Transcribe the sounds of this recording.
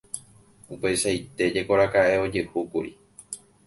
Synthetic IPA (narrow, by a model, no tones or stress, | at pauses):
upe̞ʃajt̪e̞d͡ʒe̞ko̞ɾakaʔe̞o̞d͡ʒehukuɾḭ